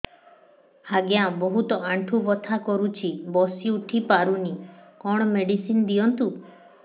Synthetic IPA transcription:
haɡjabɔɦut̪ɔaɳʈʰubɔt̪ʰakɔɾut͡ʃʰibɔsiuʈʰipaɾunikɔɽ̃ɔmeɖisinɔd̪ijɔnt̪u

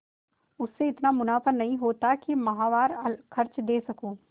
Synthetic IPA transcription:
ʊsːeɪt̪namʊnaːpənnːɐɦĩɦoːt̪akimɐɦaːʋaːɾɐlkʰɐɾt͡ʃd̪eːsɐkũː

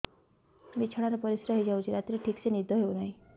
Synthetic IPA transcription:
bit͡ɕʰəɽaɾɔpʌɾisɾəɦid͡ʒawt͡ʃʰiɾat̪ɾeʈʰiksenid̪ʱɔɦewnaɦĩ

